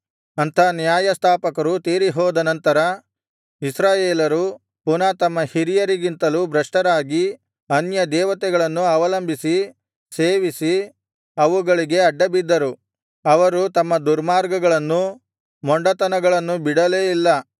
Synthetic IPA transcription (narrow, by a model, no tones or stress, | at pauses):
ɐnt̪ʰɐnjaːjɐst̪ʰaːpɐkɐɾut̪eːɾiɦɔːd̪ɐnɐnt̪ɐɾɐ | isɾaːjeːlɐɾu | punat̪ɐmːɐhiɾijɐɾiɡint̪ɐlubɾɐʂʈɐɾaːɡi | ɐnjɐd̪ɛːʋɐt̪ɛɡɐɭɐnːuɐʋɐlɐmbʱisi | seːʋisi | ɐʋuɡɐɭiɡe̞ɐɖːɐbid̪ːɐɾu | ɐʋɐɾut̪ɐmːɐd̪uɾmaːɾɡɐɡɐɭɐnːu | mɔɳɖɐt̪ɐnɐɡɐɭɐnːubiɽɐle̞ːilːɐ